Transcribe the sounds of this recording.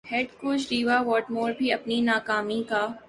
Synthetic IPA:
hɛːɖkoːd͡ʒɾiːʋaʋɔːʈmoːɾbʱiɐpninaːkaːmikaː

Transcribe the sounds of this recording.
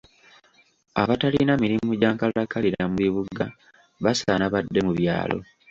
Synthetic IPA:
a̰βataliinamiɾimuɟaːŋkalakaliɾamuβiβuɡa | βasanaβadːe̞muβja̰ːlo̞̰

